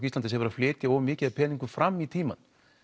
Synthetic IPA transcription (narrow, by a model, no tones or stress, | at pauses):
kist̪ant̪ɪshɛvʏɾaflɪːt̪jaɔːvʏmɪːcɪðaðpʰɛːniŋkʏfɾamːit̪ʰiːma̰n